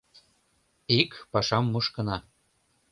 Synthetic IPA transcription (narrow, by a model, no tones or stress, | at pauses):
ikpɑʃɑmːuʃkɤ̆nɑ